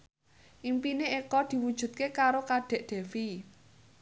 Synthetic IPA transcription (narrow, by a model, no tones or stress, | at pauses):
ʔimpineekɔd̪̥i̤wud̥ʒ̥ṳt̪̚kekaɾokad̪̥ɛ̤ʔd̪̥e̤fi